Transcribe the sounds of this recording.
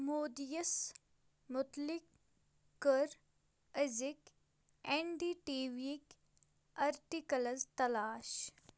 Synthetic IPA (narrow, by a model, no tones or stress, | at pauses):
moːd̪ijɐs | mʊt̪lɪkː | əɾ | əzɪk | eɳɖiːʈiːʋik | ɐɾʈikɐlɐzt̪ɐlaːʃ